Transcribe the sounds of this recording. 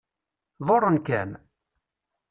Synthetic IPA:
ðorˤːənkæ̰n

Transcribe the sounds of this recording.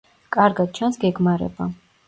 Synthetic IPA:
kʼaɾɡad̪̚t͡ʃʰansɡɛɡmaɾɛ̰ba

